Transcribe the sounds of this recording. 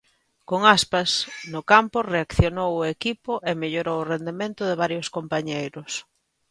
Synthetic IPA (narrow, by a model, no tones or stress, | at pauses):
koŋaspasnʊkampʊreakθjonowʊekipʊʔemeʎoɾowʊrend̪emẽnt̪ʊðɪβ̞aɾjʊskompaɲejɾʊs